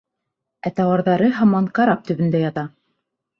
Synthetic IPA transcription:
æt̪ɑwɑɾðɑɾɤɦɑmɑnkɑɾɑp̚t̪ɵ̆βɘ̆nd̪æjɑt̪ɑ

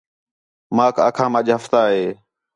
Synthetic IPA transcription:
mãːka̰ːkʰãːməʄɦəft̪aːɦeː

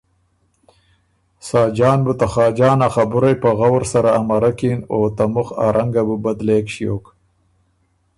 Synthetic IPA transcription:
sɑːd͡ʒɑːnbət̪axɑːd͡ʒɑːnaxabʊɾajpaɣawɾsaɾaːmaɾakinot̪amʊxa̰ɾʔaŋɡabəbad̪leːkʃijoːk

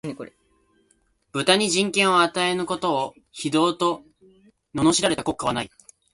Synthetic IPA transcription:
b̥ɯ̟t̪aɲ̟iʑĩŋkẽ̞ɰ̃o̞at̪ae̞nɯ̟ko̞t̪o̞ː | çid̪o̞ːt̪o̞ | no̞no̞ɕiɾaɾe̞t̪ako̞kːaβanai

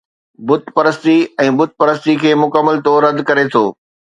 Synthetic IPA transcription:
bʊt̪pɐɾəst̪iɛ̃ːbʊt̪̚pɐɾəst̪ikʰeːmʊkəmːəlt̪oːɾɐd̪kɐɾet̪ʰoː

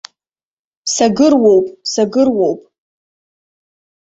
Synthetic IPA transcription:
saɡɨrwowpʼsaɡɨrwowpʼ

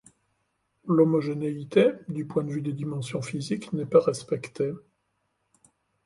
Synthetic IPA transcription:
lɔmɔʒeneit̪ed̪ypwɛ̃d̪əvyd̪ed̪imɑ̃sjɔ̃fiziknɛpaʁɛspɛkt̪e

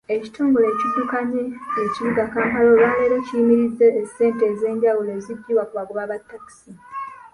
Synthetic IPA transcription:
e̞ci̥tuːŋɡule̞ːcidukaɲijeciβiɡakaːmkalowaːleːɾecijimiɾizːeːse̞ːnteze̞ːɲɟawule̞ːzidːiːwakuβaɡuβaβatːaki̥si

